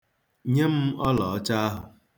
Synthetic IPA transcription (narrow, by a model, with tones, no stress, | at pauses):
ɲe˦m̩˦ɔ˦lɔ˨ɔ˦t͡ʃa˦a˦ɦʊ˨